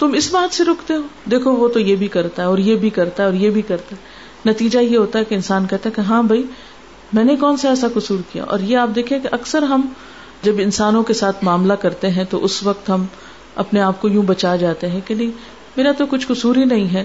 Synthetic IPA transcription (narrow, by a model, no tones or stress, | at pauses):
t̪ʊmɪsbaːt̪seɾoːkʰt̪eɦoːd̪eːkʰoʋot̪ojebʱikɐɾt̪aɦɛɔːɾjebʱikɐɾt̪aɦɛɔːɾjebʱikɐɾt̪aɦɛ | nɐt̪iːd͡ʒajeɦoːt̪aɦɛkeɪnsaːnkɛɦt̪aɦɛkeɦãːbʱɐi | mɛ̃ːnekɔːnsaɛːsakʊsuːɾkija̰ʔɔ̰ːɾjeaːp̚d̪eːkʰiẽkeʔɐksəɾɦɐm | d͡ʒɐbɪnsaːnõkesaːt̪ʰmaːmlakɐɾt̪eɦɛ̃t̪oʔʊsʋɐk̚t̪ɦɐm | ɐ̰pneaːp̚kojũːbɐt͡ʃaːd͡ʒaːt̪eɦɛ̃kenɐɦĩ | meːɾat̪okʊt͡ʃʰkʊsuːɾinɐɦĩɦɛː